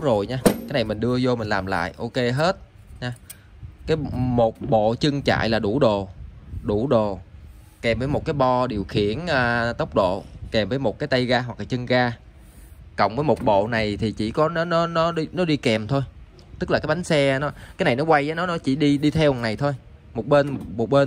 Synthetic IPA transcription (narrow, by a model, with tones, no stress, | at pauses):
wzo˨˩jɲaː˧kaː˨˦jna˨˩jmï˨˩ŋ̟ɗɨ˧əzo˧mï˨˩ŋ̟laː˨˩mla̰ː˧˨jʔo˧ke˧ɦe˦˥t̚ | ɲaː˧ | kaː˨˦jmo˨˩t̚ɓo̰˧˨t͡ɕɨ˧ŋt͡ɕa̰ː˧˨jlaː˨˩ɗu˧˩ɗo˨˩ɗu˧˩ɗo˨˩ | kɛ˨˩mvəː˨˦jmo˨˩t̚kaː˨˦jɓɔ˧ɗi˨˩əwxḭ˧˩˨ənʔəː˨˩t̪ə˦˥wk͡p̚ɗo̰˧˨kɛ˨˩mvəː˨˦jmo˨˩t̚kaː˨˦jt̪a˧jɣaː˧ɦwa˨˩k̚laː˨˩t͡ɕɨ˧ŋɣaː˧ | kə̰˧˨wŋ͡mvəː˨˦jmo˨˩t̚ɓo̰˧˨na˨˩jt̪ʰi˨˩t͡ɕḭ˧˩kɔ˨˦ɔ˨˦nɔ˨˦nɔ˨˦ɗi˧nɔ˨˦ɗi˧kɛ˨˩mt̪ʰo˧j | t̪ɨ˦˥k̚laː˨˩kaː˨˦jɓa˨˦ŋ̟sɛ˧nɔ˨˦kaː˨˦jna˨˩jnɔ˨˦kwa˧jʔaː˨˦nɔ˨˦nɔ˨˦t͡ɕḭ˧˩ɗi˧ɗi˧t̪ʰɛ˧wna˨˩jt̪ʰo˧j | mo˨˩t̚ɓe˧nmo˨˩t̚ɓe˧n